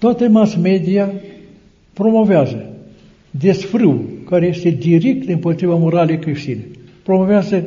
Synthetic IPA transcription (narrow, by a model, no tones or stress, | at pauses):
t̪oat̪əmasme̞d̪ia | pɾo̞mo̞veazə | d̪esfɾɨwkaɾeje̞st̪e̞d̪iɾek̚t̪ɨmpo̞t̪ɾivamo̞ɾalejkɾiʃt̪inḛpɾomoveazə